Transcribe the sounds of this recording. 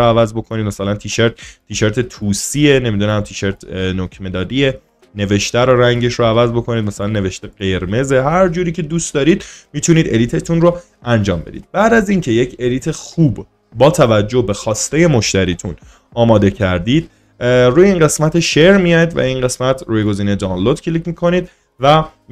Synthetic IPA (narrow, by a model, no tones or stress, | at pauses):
oævæzbo̞kʰo̞niːd̪̚mæsælænt̪ʰiʃeɾt̪t̪ʰiːʃeɾt̪ʰet̪ʰuːsiene̞mid̪unæmt̪ʰiːʃeɾt̪ʰnocʰme̞d̪ɒːd̪ie | ne̞ve̞ʃt̪æɾoɾæŋɟe̞ʃɾoævæzbo̞kʰo̞niːd̪̚mæsælænːe̞ve̞ʃt̪eɡe̞ɾme̞ze̞ɦæɾd͡ʒuːɾiːcʰe̞d̪uːst̪d̪ɒːɾiːd̪miːt̪ʰuniːd̪e̞liːt̪ʰet̪ʰunro | ænd͡ʒɒːmbe̞̰d̪ḭːd̪̥̚b̥æd̪æziŋcʰe̞je̞cʰe̞liːt̪ʰexuːb | bɒːt̪ʰævæd͡ʒːohbe̞xɒːst̪e̞je̞moʃt̪æɾiːt̪ʰṵn | ɒːmɒːd̪e̞cʰæɾd̪id̪̥ | ɾuːjeiːnɢe̞smæt̪ʰeʃe̞ɾmijɒjid̪væ̰inɢe̞smæt̪ʰruːjeɡo̞ziːned̪ɒwnlod̪̥cʰeliːcmikʰo̞niːd̪̚ | væ